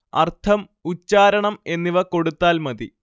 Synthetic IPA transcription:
ɐ̰rt̪ʰɐm | ut͡ɕːaːɾɐɳɐme̞nːiʋɐko̞ɽut̪ːaːlmɐði

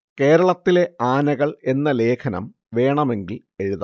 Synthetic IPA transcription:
ke̞ːɾɐɭɐt̪ːile̞aːnɐɣɐɭe̞nːɐle̞ːkʰɐnɐ̰m | ʋe̞ːɳɐme̞ŋɡil | e̞ɻuðɐ

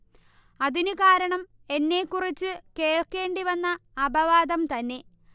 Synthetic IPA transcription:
ɐðinɨkaːɾɐɳɐm | e̞nːe̞kːurit͡ɕːɨke̞ːɭke̞ːɳɖiʋɐnːɐːbɐʋaːd̪ɐmt̪ɐnːe̞

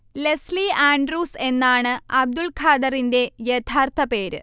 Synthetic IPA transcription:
lesliaːɳɖruːse̞nːaːɳɨɐb̚d̪ulkʰaːd̪ɐrinde̞jet̪ʰaːrt̪ʰɐpe̞ːɾɨ̰

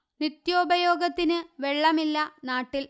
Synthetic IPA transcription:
nit̪joːbɐjo̞ːɡɐt̪ːinɨʋeɭːɐmilːɐnaːʈːil

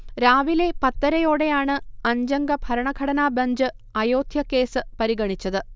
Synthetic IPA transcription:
ɾaːʋile̞pɐt̪ːɐɾɐjo̞ːɽe̞jaːɳɨɐɲd͡ʑɐŋɡɐbʱɐɾɐɳɐɡʱɐɽɐnaːbɐɲd͡ʑɨ | ɐjo̞ːd̪ʱjɐke̞ːsɨpɐɾiɡɐɳit͡ɕːɐðɨ

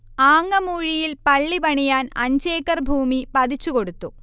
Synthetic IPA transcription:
aːŋːɐmuːɻijilpɐɭːibɐɳijaːnɐ̰ɲd͡ʑeːkːɐrbʱuːmipɐðit͡ɕːuko̞ɽut̪ːu

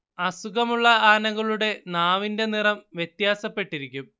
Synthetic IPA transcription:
ɐsuɣɐmuɭːɐaːnɐɣɐɭuɽe̞naːʋinde̞nirɐmʋjet̪jaːsɐpːe̞ʈːiɾikʲːum

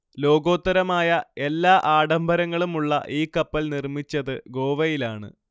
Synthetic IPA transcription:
lo̞ːɡo̞ːt̪ːɐɾɐmaːjɐe̞lːaːʔaːɽɐmbʱɐɾɐŋːɐɭumuɭːɐ̰ʔiːkːɐpːɐlnirmit͡ɕːɐðɨɡo̞ːʋɐjilaːɳɨ̰

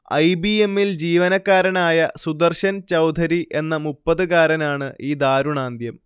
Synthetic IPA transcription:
ɐ̰jbie̞mːild͡ʑiːʋɐnɐkːaːɾɐnaːjɐsud̪ɐrɕɐnt͡ɕɐwd̪ʱɐɾiʔe̞nːɐmupːɐðɨɣaːɾɐnaːɳɨʔiːd̪aːɾuɳaːnd̪jɐm

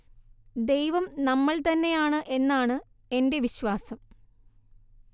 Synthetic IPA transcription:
d̪e̞jʋɐmnɐmːɐɭt̪ɐnːe̞jaːɳɨʔe̞nːaːɳɨ | e̞nde̞ʋiɕʋaːsɐm

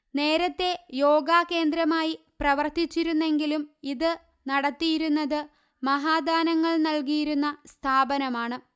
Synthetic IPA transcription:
ne̞ːɾɐt̪ːe̞jo̞ːɡaːke̞ːnd̪ɾɐmaːji | prɐʋɐrt̪it͡ɕːiɾunːe̞ŋɡilumiðɨ | nɐɽɐt̪ːijiɾunːɐðɨ | mɐɦaːd̪ʱaːnɐŋːɐɭnɐlkijiɾunːɐst̪ʰaːbɐnɐmaːɳɨ

